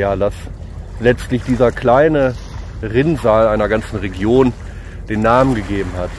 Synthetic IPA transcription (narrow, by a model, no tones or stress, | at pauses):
jaːdas | lɛt͡stlɪçd̥iːzɐkʰl̥aɪnə | ʁɪnzaːlaɪnɐɡant͡sn̩ʁeɡjoːn | d̥eːnːaːmənɡəɡeːbm̩hat